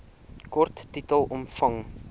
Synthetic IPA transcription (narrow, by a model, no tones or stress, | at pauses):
kɔrtːitəlˠɔmfɐŋ